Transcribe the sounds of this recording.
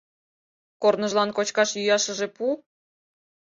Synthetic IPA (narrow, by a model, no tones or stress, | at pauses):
kornəʒlˠɑnkot͡ɕkɑʃjyjɑʃə̆ʒĕpu